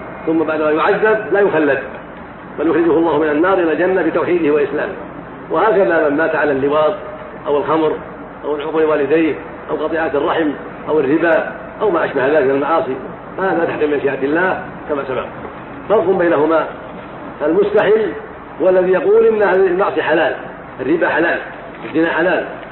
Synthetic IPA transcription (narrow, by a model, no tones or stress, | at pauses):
θʊmːabaʕd̪maːjʊʕaðːab̪̚laːjʊxalːad̪ | baljʊxɾɪd͡ʒʊhʊalˤːɑːhʊmɪnanːɑːɾˤʔɪlald͡ʒanːabiːt̪awħiːd̪ɪhɪwaʔɪsla̰ːmɪ̰ | wʔahaːkaðamamːaːt̪aʕalalːɪwɑːðˤ | ʔawɪlxɑmɾ | ʔawɪlʕʊqlɪwaːlɪd̪ajh | ʔawqɑt̪ˤɨʕaːt̪ɑrˤːɑħɪm | ʔawɪrːɪba | ʔawmaːʔaʃbahðaːlɪkmɪnalmaʕɑːsˤi | fahaːðat̪aħqimɪnʃɪjʔaːt̪ɪlːaːh | kamaːsaba̰q̚ | bɑɾˤt̪ˤʊmbajnaɦʊma | falmʊst̪aħɪlː | hʊwalːaðiːjɑquːlʔɪnːaalmɑʕsˤiħalaːl | ʔarːɪbaħalaːl | ʔazːɪnaħalaːl